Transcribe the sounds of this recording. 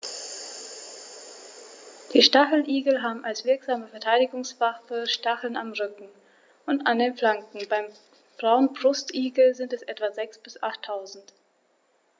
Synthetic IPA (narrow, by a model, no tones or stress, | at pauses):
d̥iːʃtaχl̩ʔiːɡl̩ɦaːbm̩ʔalsv̥ɪɐkz̥aːməfɛɐtʰaɪdɪɡʊŋsv̥afəʃtaχl̩namʁʏkŋ̩ | ʔʊntandeːnflaŋkŋ̩baɪm | b̥ʁaʊənbʁʊstʔiːɡl̩zɪntɛsʔɛtv̥azɛksb̥ɪsʔaχtʰːaʊzn̩t